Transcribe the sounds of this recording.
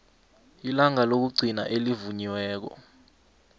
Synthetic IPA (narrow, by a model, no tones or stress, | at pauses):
ilaŋalok̬uɡ͡ǀʱina̰ʔelivuɲiwɛːk̬ɔ̰